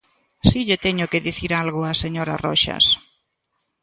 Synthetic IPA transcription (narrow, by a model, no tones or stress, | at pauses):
siʎet̪ɛɲʊkeðiθiɾalɣʊaseɲoɾa̰rɔ̰ʃa̰s